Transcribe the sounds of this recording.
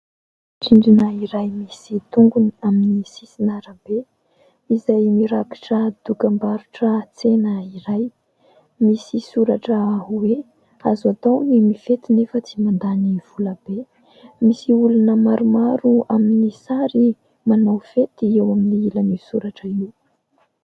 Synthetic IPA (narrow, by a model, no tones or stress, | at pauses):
ʈ͡ʂiɳɖ͡ʐinəiɾajmisit̪uŋɡuniaminisisinaɾəbe | izajmiɾaki̥ʈ͡ʂəd̪̥ukambaɾuʈ͡ʂət͡senəiɾaj | misisuɾaʈ͡ʂəaɦuwe | azat̪ownimiv̥et̪inefət͡simand̪aniv̥uləbe | misiulunəmaɾumaɾuaminisaɾi | manawv̥et̪iewaminiilanisuɾaʈ͡ʂəine